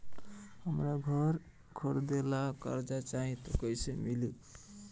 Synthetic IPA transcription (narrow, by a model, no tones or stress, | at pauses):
həmɾaɡʱəɾ | kʰoɾd̪elakə̰ɾd͡ʒat͡ʃaɦĩt̪ɔkəisemilu